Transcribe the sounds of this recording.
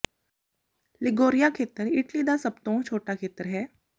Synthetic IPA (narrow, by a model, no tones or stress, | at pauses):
lɪɡoːɾijakʰeːt̪əɾɪʈlid̪asəbt̪õt͡ʃʰoːʈakʰeːt̪əɾɦɛː